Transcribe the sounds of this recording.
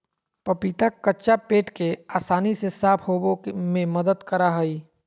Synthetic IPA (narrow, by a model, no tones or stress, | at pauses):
pəpit̪akətːʃapeːʈkeaːsaːnisesaːpʰɦoːbõmẽməd̪əd̪kəɾaɦəi